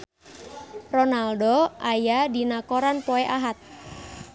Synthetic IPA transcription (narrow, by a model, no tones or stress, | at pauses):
rɔnaldoʔajadinakoɾanpoeʔaɦat̪̚